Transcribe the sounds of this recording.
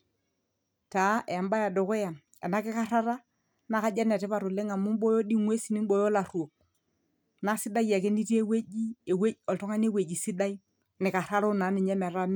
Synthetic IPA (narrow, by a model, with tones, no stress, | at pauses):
ta˨˦ʔe˨a˨mba˦ja˨do˨kʊ˦ja˨m | ɛ̰˨na˦kɪ˦ka˦ɾa˦ɾa˦ | na˦ka˦d͡ʒa˦n˨a˨tɪ˦pa˨ɾʊ˨le˦ŋa˨mʊ˦m˦ɓɔ˦jɔ˦di˦ŋwe˦si˨nɪ˦mɓɔ˦jɔ˦la˨ru˨o˨k̚ | na˦sɪ˦da˦ja˨ke˦ni˦te˦we˦d͡ʒi˦e˨we˦ɔ˨ltɔ˦ŋa˦n˦e˦we˨d͡ʒi˨sɪ˦da˦i˦ | nɪ˨ka˨ɾa˦ɾʊ˦na˨˦nɪ˨ɲɛ˦mɛ˨ɾa˦m˦